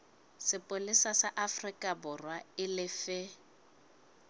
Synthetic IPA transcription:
sɪpʼʊlɪsasaʔafrikʼabʊrwaɪlɪfɪ

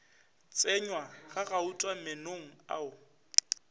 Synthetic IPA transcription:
t͡sʼɪɲwaɣaɣautʼwamɪnoŋ̩a̰ʊ

